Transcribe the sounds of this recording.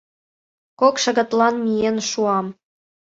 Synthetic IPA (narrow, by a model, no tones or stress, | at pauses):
kokʃə̆ɣə̆t̪lɑnmijenʃuɑm